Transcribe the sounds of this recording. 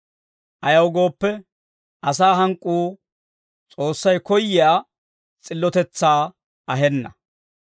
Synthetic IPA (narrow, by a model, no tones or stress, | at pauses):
ʔɐjɐwɡo̞ːpːɛ | ʔɐsaːɦɐŋkʼːuː | t͡sʼo̞ːsːɐjkɔjːɪjaː | t͡sʼɪlːɔt̪ɛt͡sːaː | ɐɦɛnːɐ